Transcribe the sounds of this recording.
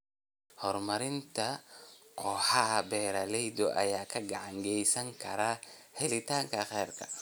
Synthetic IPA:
hɔrmɐɾɪnt̪ʰɐqɔːħɑbɛːɾɐlɛjd̪ɔʔɐ̰jaːkʰɐɡɑʕɑŋɡɛjsɐŋkʰɐɾaːhɛlɪt̪ʰaːŋkʰɐχɛːrkʰɐ

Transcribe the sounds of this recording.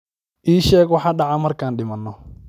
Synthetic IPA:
ʔiːʃɛːɡwɑħɑɖɑʕamɐrkʰaːnɗɪmɐnːɔ

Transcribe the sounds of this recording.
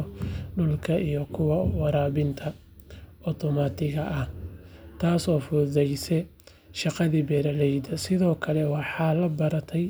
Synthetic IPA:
ɖʊlkʰɐʔijɔkʰʊwɑwɑɾaːβɪnt̪ʰɐ | ʔɔt̪ʰɔmat̪ʰɪɣɐʔɐht̪ʰaːsɔːfʊðɛjsɛ | ʃɑqɑðiːbɛːɾɐlɛjd̪ɐsɪðɔːkʰɐlɛwɑħɑːlɐbɐɾɐt̪ʰɛj

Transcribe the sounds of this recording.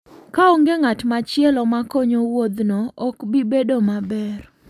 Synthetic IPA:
kaɔŋɡeŋatmat͡ʃɪɛlɔmakoɲowod̪noɔkbibedomabɛr

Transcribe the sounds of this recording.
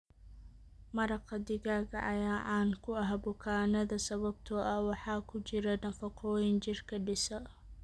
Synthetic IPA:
mɐɾɑqɐd̪ɪɣaːɣɐʔɐjaːʕɑːnkʰʊɐɦbʊkʰaːnɐðɐsɐβɐb̚t̪ʰɔʔɐwɑħɑːkʰʊt͡ʃɪɾɛnɐfɐqʰɔːjɪnt͡ʃɪrkʰɐɖɪsɐ

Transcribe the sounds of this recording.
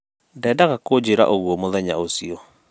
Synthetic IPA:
dɛːdaɣakod͡ʑeɾa̰ʔoɣwɔmoðɛɲaosiɔ

